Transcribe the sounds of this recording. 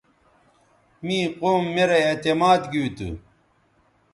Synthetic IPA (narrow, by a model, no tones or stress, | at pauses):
miːqoːmːeɾɐet̪emaːd̪ɡiwit̪ṵ